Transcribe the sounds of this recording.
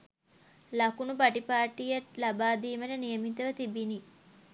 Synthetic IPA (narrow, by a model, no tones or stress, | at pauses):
lɐkunubaʈipaːʈijaʈlabaːd̪iːməʈənijəmit̪əʋət̪ibini